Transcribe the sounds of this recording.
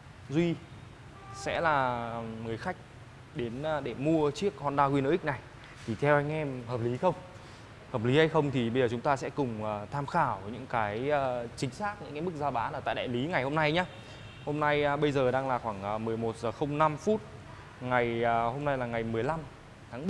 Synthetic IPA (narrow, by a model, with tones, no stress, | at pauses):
zwi˧ | sɛ̰˧˥laː˨˩ŋɨ˨˩əjxa˦˥jk̟̚ | ɗe˨˦nː˧ɗe˧˩mu˧ət͡ɕi˦˥ək̚hɔ˧nɗaː˧ɣwi˧nə̰ː˧˥ʔi˦˥k̚na˨˩j | t̪ʰi˨˩t̪ʰɛ˧wʔa˧jŋ̟ʔɛ˧mhəː˨˩p̚li˨˦xə˧wŋ͡m | həː˨˩p̚li˨˦ha˧jxə˧wŋ͡mt̪ʰi˨˩ɓə˧zəː˨˩t͡ɕʊ˨˦ŋ͡mt̪aː˧sɛ̰˧˥kʊ˨˩ŋ͡mʔəː˨˩t̪ʰaː˧mxaː˧˩wɲɨ̰˧˥ŋkaː˨˦jəː˧t͡ɕï˨˦ŋ̟saː˦˥k̚ɲɨ̰˧˥ŋa˨˦mɨ˦˥k̚zaː˧wɓaː˨˦laː˨˩t̪a̰ː˧˨ɗa̰ː˧˨jli˨˦ŋa˨˩jho˧mna˧jɲaː˨˧˥ | ho˧mna˧jɓə˧jzəː˨˩ɗaː˧ŋlaː˨˩xwaː˧˩ŋʔəː˨˩mɨ˨˩əjmo˨˩t̚zəː˨˩xə˧wŋ͡mna˧mfu˦˥t̚ | ŋa˨˩jho˧mna˧jlaː˨˩ŋa˨˩jmɨ˨˩əjla˧m | t̪ʰaː˨˦ŋɓə˧˩